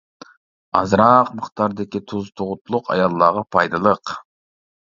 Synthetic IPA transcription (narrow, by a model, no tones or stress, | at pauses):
ɑzɾɑqməχt̪ɑɾd̪ɪkʲit̪ʰuzt̪ʰoʁʊt̪ʰulˠʊqʰɑ̰jɑlˠːɑʁɑpʰɑjd̪ɨlˠəq